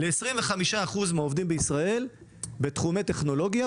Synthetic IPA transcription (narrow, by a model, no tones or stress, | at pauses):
leːsʁimveχamiʃaːχuzmaovdimbeisʁae̞l | be̞t̪χumeteχno̞lo̞ɡja